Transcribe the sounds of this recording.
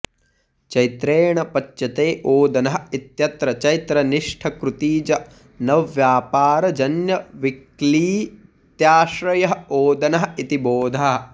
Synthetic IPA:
t͡ʃɐjt̪ɾeːɳɐpɐt͡ʃt͡ʃɐt̪eːʔoːd̪ɐnɐɦɐit̪jɐt̪ɾɐt͡ʃɐjt̪ɾɐniʂʈʰɐkɾut̪iːd͡ʒɐ | nɐʋʋjaːpaːɾɐd͡ʒɐnjɐʋikliː | t̪jaːʃɾɐjɐɦɐoːd̪ɐnɐɦɐit̪iboːd̪ʱɐɦɐ

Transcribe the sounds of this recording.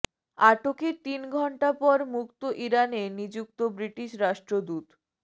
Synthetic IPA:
aʈoket̪inɡʱɔɳʈapɔɾmukt̪oʔiɾanenid͡ʑuk̚t̪obɾiʈiʃɾaʃʈɾod̪ut̪

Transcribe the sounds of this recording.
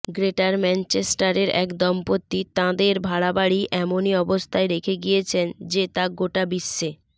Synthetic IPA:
ɡɾeʈaɾmɛnt͡ɕesʈaɾeɾɛkd̪ɔmpot̪ːit̪ãd̪eɾbʱaɭabaɽiʔɛmoniɔbost̪ʰaeɾekʰeɡijet͡ɕʰend͡ʑet̪ãɡoʈabiʃːe

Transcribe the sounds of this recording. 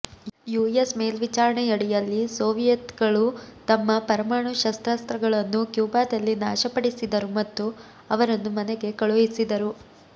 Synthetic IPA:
juːjesmeːlʋit͡ʃaːɾɐɳejɐɽijɐlːisoːʋijɐt̪ɡɐɭut̪ɐmːɐpɐɾɐmaːɳuʃɐst̪ɾɐst̪ɾɐɡɐɭɐnːukjuːbaːd̪ɐlːinaːʃɐpɐɽisid̪ɐɾumɐt̪ːu | ɐʋɐɾɐnːumɐneɡe̞kɐɭujisid̪ɐɾu

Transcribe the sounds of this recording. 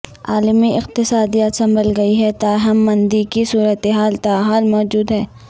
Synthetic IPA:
a̰ːlmiɪqt̪ɪsaːd̪iat̪sɐ̃mbəlɡɐiɦɛt̪aːɦɐmːɐ̃nd̪ikisuːɾət̪eɦaːlt̪aːɦaːlmɔːd͡ʒuːd̪ɦɛː

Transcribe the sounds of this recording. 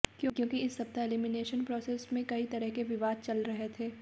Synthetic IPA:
kjõːkjõːkiɪsːɐb̚t̪aelimɪneːʃənpɾɔːseːsmẽkɐit̪ɐɾəɦkeʋɪʋaːd̪̚t͡ʃɐlɾɐɦet̪ʰeː

